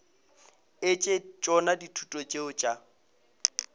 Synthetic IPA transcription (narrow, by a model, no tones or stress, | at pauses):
ɪt͡ʃʼet͡ʃʼɔnaditʰutʼɔt͡ʃʼeʊt͡ʃʼa